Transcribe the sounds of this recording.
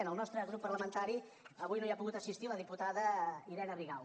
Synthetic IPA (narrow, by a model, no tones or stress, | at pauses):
nəlˠnɔst̪ɾəɣɾupːəɾləmənt̪aɾi | əβujnojapuɣut̪əsist̪iləðiput̪aðəiɾɛnəriɣaw